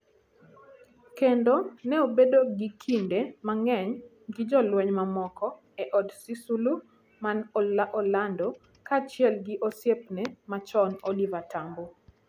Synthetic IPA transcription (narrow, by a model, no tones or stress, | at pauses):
kendonɛobedoɡikʰindemaŋɛɲ | ɡid͡ʒɔlwɛɲmamɔkɔ | ɛʔɔdsisulu | manɔlaʔɔlandɔ | kat͡ʃɪɛlɡiʔosjep̚nɛmat͡ʃɔnolivatambo